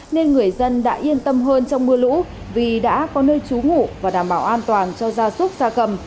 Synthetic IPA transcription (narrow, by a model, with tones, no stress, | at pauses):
ne˧nŋɨ˨˩əjzə˧nɗa̰ː˧˥ʔi˧ənt̪ə˧mɦəː˧nt͡ɕɔ˧wŋ͡mmɨ˧əlṵ˧˥ | vi˨˩ɗa̰ː˧˥kɔ˨˦nəː˧jt͡ɕu˨˦ŋṵ˧˨vaː˨˩ɗaː˧˩mɓaː˧˩wʔaː˧nt̪waː˨˩nt͡ɕɔ˧zaː˧sʊ˦˥k͡p̚zaː˧kə˧˩m